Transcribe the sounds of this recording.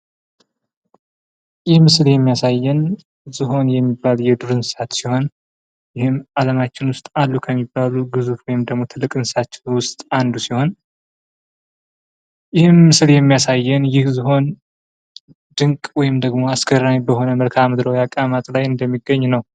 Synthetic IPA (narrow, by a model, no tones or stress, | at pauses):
jɪhmɨsljɛmːijasajːɛn | zɨɦo̞njɛmːibːaljɛd̪uɾɨnsat̪siho̞n | jɪhɨmaləmat͡ʃːɪnwʊst̪ʼalːukʰəmːibːaluɡɨzufwɔjɪmd̪əɡmo̞t̪ʰɨlːɨkʼɨnsat͡ʃːɪnwʊst̪ʼand̪usiho̞n | jɪhɨmːɨsljɛmːijasajːɛnjɪhzɨɦo̞n | d̪ɨŋkʼwɔjɪmd̪əɡmo̞askʰəɾabəho̞nəməlkʰamɨd̪ɾowjakʼamat̪ʼlajɨnd̪əmːiɡːəɲːnəw